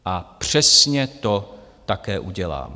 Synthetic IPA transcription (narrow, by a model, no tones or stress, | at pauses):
ʔapr̝̥ɛsɲɛt̪o̞t̪akɛːʔuɟɛla̰ːm